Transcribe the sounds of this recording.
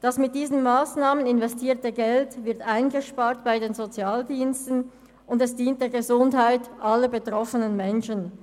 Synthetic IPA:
d̥asmɪt̚d̥iːzənmaːsnaːmənɪnvɛstʰiːɐtəɡɛltvɪɐtʔaɪnɡəʃpaːɐtb̥aɪdeːnzot͡sjaːldiːnstən̩ | ʊndɛsd̥iːnt̚d̥eːɐɡəzʊnthaɪtʔalɐbətʁ̥ɔfənənmɛnʃən

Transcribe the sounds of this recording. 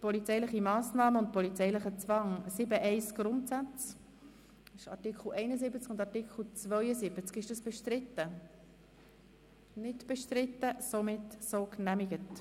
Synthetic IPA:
pɔlit͡sɛɪlɪχimɑːsnɑːməʊntpɔlit͡sɛɪjlɪχət͡svɑŋsɪbəʔɛɪsɡ̥ɾʊntsæt͡s | ɪʃɑ̰tɪkχl̩ʔɛɪnəsɪbət͡skʊndɑɹtɪkχl̩ˠt͡svœʏəsɪb̥ət͡skɪʃdɑsb̥ɛʃtɾɪtːə | nɪtb̥ɛʃtɾɪt̪ːəsomɪtsoknæmɪɡət

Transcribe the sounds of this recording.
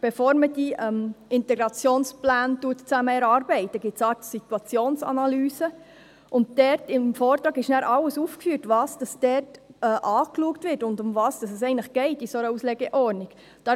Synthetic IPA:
b̥efoːɾməd̥iɛmɪntɛɡɾɑt͡sjoːnsplæːntuətt͡sæməɛɾɑːɾbɛɪtəɡɪtsɑtsitwɑt͡sjoːnsɑ̰nɑlyːsə | ʔʊnt̚d̥ɛɾtɪmfɔːɾtɾɑːɡɪʃnæːɾʔɑlːəsuːfkfyːɾtʋɑːsd̥ɑsd̥ɛɾtɛʔɑːkluəktvɪɾtʊndʊmvɑːsd̥ɑsɛs̬ɛɪɡnləχɡ̥ɛɪtisoɾəuslɛɡəʔɔɾniɡ̥ | d̥ɑ

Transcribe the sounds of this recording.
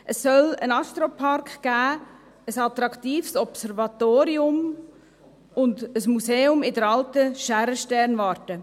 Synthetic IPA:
ʔəsːœlənɑst̪ɾopʰɑrkɡ̥æː | əsɑt̪ɾɑktiːfsɔpsɛɾvɑt̪oːɾiʊm | ʊndəsmuseːʊmɪdəɾɑltəʃæɾəʃtɛɾnvɑːɾtə

